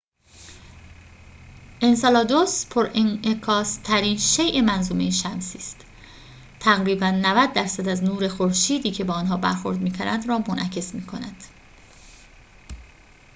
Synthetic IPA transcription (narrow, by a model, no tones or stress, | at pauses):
ʔensɑlɒːd̪ospʰoɾʔenʔekʰɒːst̪ʰæɾiːnʃejʔemænzumejeʃæmsiːst̪ | t̪ʰːæɣɾiːbænːævæd̪̚ːæɾsæd̪æznuːɾe̞xoɾʃiːd̪iːcʰe̞bɒːnɦɒːbæɾxo̞̰ɾd̪miːkʰæɾæd̪ɾɒːmonʔæcʰe̞smiːkʰo̞næd̪̥